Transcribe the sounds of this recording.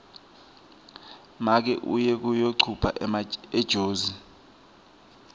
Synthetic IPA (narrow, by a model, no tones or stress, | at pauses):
mak̬ɛ̰ʔṵjɛk̬ujoǀʰupʰa̰ʔɛd̥ʒ̥ʱoːzi